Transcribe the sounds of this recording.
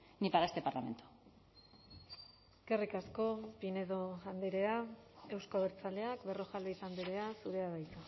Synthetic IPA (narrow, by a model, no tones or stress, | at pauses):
nipaɾaest̪e̞paɾlame̞̰nt̪u̥ | kerikasko̞pine̞ðo̞and̪eɾe̞ae̞wskoβeɾt͡sale̞akbe̞ro̞ʝalβisand̪eɾe̞asuɾe̞aðajt̪u